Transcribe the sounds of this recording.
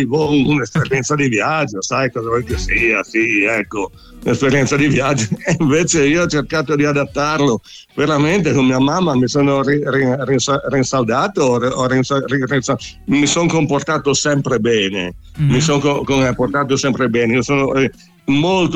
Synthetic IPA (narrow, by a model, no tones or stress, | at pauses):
ivɔunespeɾjɛnt̪sad̪ivjad͡ʒːosajkɔːzavolkesiːasiɛkːo | nespeɾjɛnt̪sad̪ivjad͡ʒːoiɱveːt͡ʃeiːoɔt͡ʃerkaːt̪od̪iad̪at̪ːarlo | veɾament̪ekommiːamamːamisonoriririnsarinsald̪aːt̪oɔrinsaririnsamisoŋkomport̪aːt̪osɛmpɾebɛːnḛ | misoŋkokomport̪aːt̪̬osɛmpɾebɛːneiosoːnoɛ | molt̪o